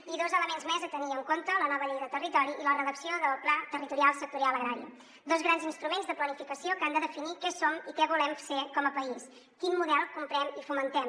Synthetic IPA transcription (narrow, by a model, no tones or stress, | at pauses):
iðozələmenzmɛzət̪əniəŋkont̪ələnɔβəʎejðət̪ərit̪ɔɾiʔilərəðəksioðəlˠplat̪ərit̪uɾialˠsək̚t̪uɾialˠəɣɾaɾiə̰ | d̪ɔzɣɾanzinst̪ɾumenzðəplənifikəsiokand̪əðəfinikɛsomikɛβulɛmfekɔməpəis | kinmuðɛlˠkumpɾɛmifumənt̪ɛm